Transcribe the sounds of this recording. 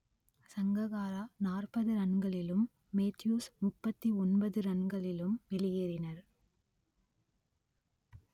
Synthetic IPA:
sɐŋɡɐɣaːɾanaːrpɐðɯɾɐɳɡɐɭɪlɯmː | eːt̪juːsmʊpːɐt̪ːiɔnbɐðɯɾɐɳɡɐɭɪlɯmʋɪlɪjeːɾɪnɐɾ

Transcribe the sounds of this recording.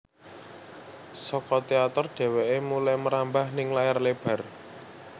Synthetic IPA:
sɔkɔt̪eat̪ərɖ̥ɛ̤wɛʔemulajməɾambahnɪŋlajarleb̥ä̤r

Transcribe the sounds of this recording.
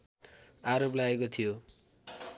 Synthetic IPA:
aɾoplaekot̪ʰijo

